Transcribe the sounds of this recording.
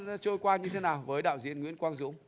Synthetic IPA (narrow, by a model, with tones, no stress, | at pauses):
t͡ɕoː˧jkwaː˧ɲɨ˧t̪ʰe˨˦naː˨˩wvəː˨˦jɗa̰ː˧˨wzḭ˧˥ənŋwḭ˧˥nkwaː˧nzɨ̰˧˦əŋ͡m